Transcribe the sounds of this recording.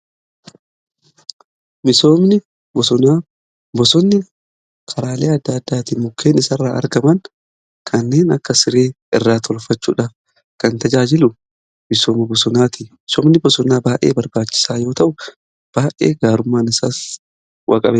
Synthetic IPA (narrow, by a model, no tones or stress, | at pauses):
mɪsoːmnɪ | bɔsʊnaː | bɔsɔnːɪ | kʰɐɾaːleːɐd̪ːɐd̪ːaːt̪iːmʊkʰːe̞ːnɪsɐrːaːʔɐ̰ɾɡɐmɐŋ | kʰɐnːe̞ːnɐkːɐsɪɾe̞ː | ɪrːaːt̪ʰɔlfɐt͡ʃːṵːᶑɐ | kɐnt̪ɐd͡ʒaːd͡ʒɪlʊ | mɪso̞ːmɐbɔsʊnaːt̪imɪsɔːmnɪbɔsɔnaːbaːʔe̞̰ːbɐɾbaːt͡ʃːɪ̥saːjo̞ːt̪ɐʔʊ | b̥aːʔḛːɡaːɾʊmːaːnɪsa̰ːs | wʔɐ̰kʼɐbeː